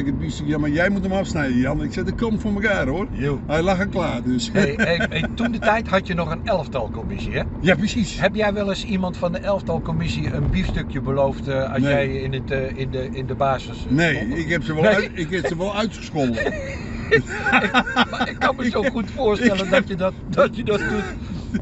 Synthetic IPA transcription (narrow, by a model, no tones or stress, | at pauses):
ɪkədbistøkjamajɛjmutəmɔfsnɛjəjanɪksɛdəkʰɔmtfoməkaːroərjoɛjlaxəklaːdøs | tundətɛjthɑtjənɔxənɛlˠəftɑlˠkomɪsiɛ | japrəsishɛpjɛjʋɛlˠəsimɑntfɔndəʔɛlˠəftɑlˠkomɪsiənbifstøkjəbəlowftɔ̰sjɛjɪnətɪnəɪndəbaːsəsneːɪkhɛpsəʋɔlneɪkɛpsəʋɔlˠœɥtxə̥skolˠ | ɪkmaɪkːɑnməsowxutfʊərstɛləndɔtjədtdɔtjədɔt̚dut